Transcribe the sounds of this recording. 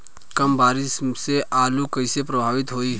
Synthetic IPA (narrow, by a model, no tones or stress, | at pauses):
kɐmbaːɾɪsseʔaːlukɐɪsepɾɐbʱaːʋɪt̪ɦoːi